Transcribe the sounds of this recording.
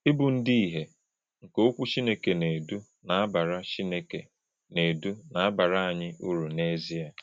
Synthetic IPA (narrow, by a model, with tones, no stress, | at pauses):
ɪ˦bu˨n̩˦di˦i˨ɦe˨ | ŋ̩˨ko˦o˦kʷu˦t͡ʃi˦ne˦ke˨ne˨du˦ | na˨a˦ba˨ɾa˦t͡ʃi˦ne˦kḛ˨ | ne˨du˦na˨a˦ba˨ɾa˦a˨ɲɪ˦ʔu˦ɾu˨ne˦zi˦a˨